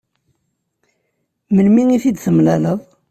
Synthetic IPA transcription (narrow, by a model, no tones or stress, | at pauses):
məlmiŋiθid̪θəmlæləðˤ